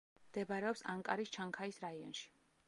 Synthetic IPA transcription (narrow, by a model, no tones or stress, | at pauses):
md̪ɛbaɾɛɔpsaŋkʼa̰ɾist͡ʃʰaŋkʰaisɾaiɔ̰nʃi̥